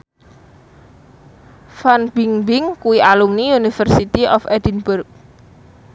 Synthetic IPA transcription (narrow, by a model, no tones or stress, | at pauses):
fanbiŋbɪŋkuwiʔalumniunifərsit̪iʔɔfɛdinbʊrk̚